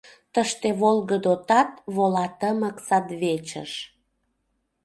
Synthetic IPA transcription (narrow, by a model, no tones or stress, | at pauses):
t̪əʃt̪eβolɣəd̪ot̪ɑt̪βolɑt̪əməksɑd̪βet͡ɕə̰ʃ